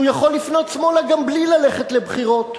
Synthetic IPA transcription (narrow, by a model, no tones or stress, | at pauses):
ujaχo̞lːifno̞t̪smo̞laɡamblilaleχet̪lebχiʁo̞t